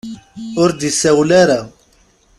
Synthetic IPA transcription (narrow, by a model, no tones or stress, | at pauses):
ʊɾd̪isæwlaɾa